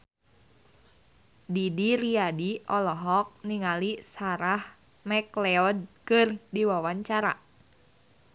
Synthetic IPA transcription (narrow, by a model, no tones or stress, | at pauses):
didiɾiadiɔlɔɦɔk̚niŋalisaɾah | mɛklɛɔd̚kɨrdiwawaɲt͡ʃaɾa̰